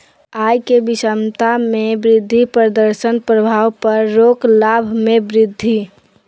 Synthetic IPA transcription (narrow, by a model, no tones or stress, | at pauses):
aːjkebɪsəmt̪amẽbɾɪd̪ʱːipɾəd̪əɾʃənpɾəbʱaːʋpəɾːoːklabʱmẽbɾɪd̪ʱːi